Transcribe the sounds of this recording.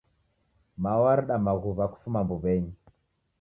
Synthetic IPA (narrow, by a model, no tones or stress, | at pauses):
mawaɾɗamaɣuβaku̥fumambuβɛɲi